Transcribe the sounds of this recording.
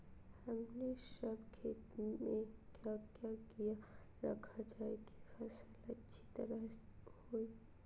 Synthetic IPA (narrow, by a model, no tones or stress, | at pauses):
həmnesɐbkʰeːt̪mẽkjakjakijaɾɐ̰kʰad͡ʒaːeɡi̥fɛsələtːʃʰi̥t̪ɐɾəhoːi